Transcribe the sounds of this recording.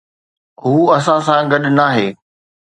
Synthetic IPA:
ɦuːɐs̬ãsãɡɐɗnaːɦeː

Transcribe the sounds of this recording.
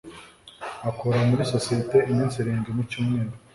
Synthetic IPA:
akoɾamuɾiso̞sijete̞ʔimiːnsiɾeːŋɡemucuːmŋeːnda

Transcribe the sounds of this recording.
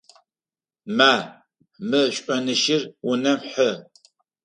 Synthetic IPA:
maː | mɨɕʷʼɔnɨʃɪrwʊnɐmħə

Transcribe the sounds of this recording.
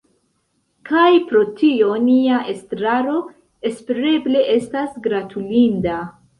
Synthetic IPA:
kajpɾo̞tio̞niaʔestɾaɾo̞ | e̞speɾe̞ble̞ʔe̞stasɡɾatʰulinda

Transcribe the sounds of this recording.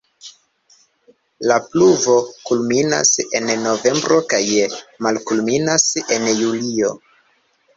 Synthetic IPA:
lapluvo̞kulmina̰se̞̰nːo̞ve̞mbɾo̞kajmalkulminase̞njulio̞

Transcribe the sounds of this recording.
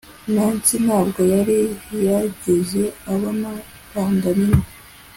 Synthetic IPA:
naːnsinhaːbɡo̞jaɾiɾaɟeze̞aβama | ɾaːndamino

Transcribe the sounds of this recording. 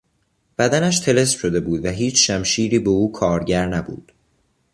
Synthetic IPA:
b̥æd̪ænæʃt̪ʰe̞le̞spʃo̞d̪e̞buːd̪væɦiːt͡ʃʰʃæmʃiːɾiːbeuːkʰɒːɾɟæɾnæbṵːd̪̥

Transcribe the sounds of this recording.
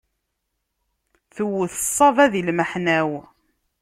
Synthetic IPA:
θəwːəθə̥sˤːɑvæðilməħnæw

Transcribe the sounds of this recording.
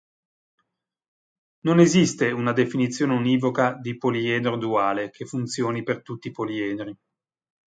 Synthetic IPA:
nonezist̪eunad̪efinit̪sːjoːneuniːvokad̪ipoliɛːd̪ɾod̪uaːlekʰefunt̪sjoːnipert̪ut̪ːipoliɛːd̪ɾi

